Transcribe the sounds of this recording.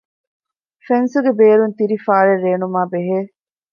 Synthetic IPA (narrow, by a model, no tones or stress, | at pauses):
fensuɡebeːɾunt̪iɾifaːɾeɾːeːnumaːbeɦeː